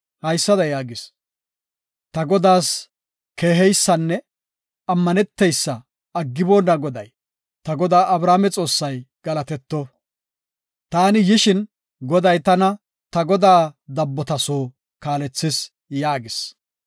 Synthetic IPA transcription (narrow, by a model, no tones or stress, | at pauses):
hɐjsːɐd̪ɐjaːɡɪs | t̪ɐɡɔd̪aːs | ke̞ːɦɛjsːɐnːɛ | ɐmːɐnɛt̪ːɛjsːɐː | ɡːɪboːnːɐɡɔd̪ɐ̰j | t̪ɐɡɔd̪aːʔɐbɾaːmɛt͡sʼo̞ːsːɐjɡ̥ɐlɐt̪ɛt̪ːɔ | t̪aːnɪjɪʃɪn | ɡɔd̪ɐjt̪ɐnɐ | t̪ɐɡɔd̪aːd̪ɐbːɔt̪ɐsoː | kaːlɛt͡sːɪs | jaːɡɪs